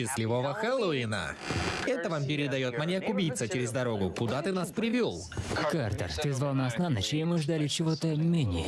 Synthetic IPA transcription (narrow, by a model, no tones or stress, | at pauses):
ɕɪsʲlʲɪvovəxɛlˠoɪnə̰ | ɛt̪əvampʲɪɾʲɪd̪ɐjo̞t̪mɐnʲekʊbʲijt̪sət͡ɕɪɾʲɪzd̪ɐɾo̞ɡʊkʊd̪at̪ɨnaspɾʲɪvʲolˠkart̪ə̰rt̪ɨzvalˠnaɐsnanət͡ɕɪɪmɨʐd̪alʲɪt͡ɕɪvo̞t̪əmʲenʲɪ̰jə